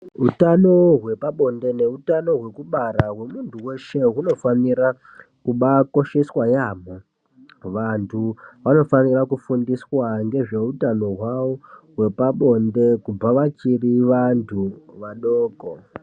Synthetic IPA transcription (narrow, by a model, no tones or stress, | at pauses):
ɦutano̞ɦwe̞paɓo̞nde̞ne̞utano̞ɦwe̞kuɓaɾaɦwe̞muntʰuwe̞ʃe̞ɦuno̞faniɾa | kuɓako̞ʃe̞swajam̤o | ʋantʰuʋano̞fanirakufundiswaŋɡe̞ʐe̞utano̞ɦwawo̞ɦwe̞paɓo̞nde̞kubaʋat͡ʃiriʋantʰuʋaɗoːko